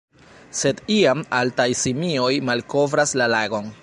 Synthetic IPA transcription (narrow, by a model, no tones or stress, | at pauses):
se̞diamaltajsimiojmalko̞vɾaslalaɡo̞n